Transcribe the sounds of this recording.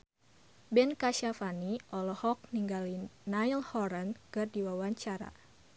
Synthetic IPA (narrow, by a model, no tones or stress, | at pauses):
bɛnkaʃafaniʔɔlɔhɔk̚niŋɡalinajlhɔɾənkɨrdiwawaɲt͡ʃaɾa̰